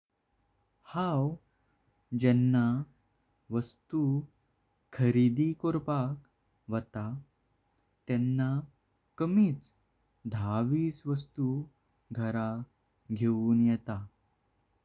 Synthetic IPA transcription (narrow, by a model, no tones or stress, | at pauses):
haw | d͡ʑɛnːa | ʋəst̪u | kʰəɾid̪ikɔɾpak | ʋət̪a | t̪ɛnːa | kəmiːt͡s | d̪ʱaʋiːsʋəst̪u | ɡʱəɾa | ɡʱeuːnjɛt̪a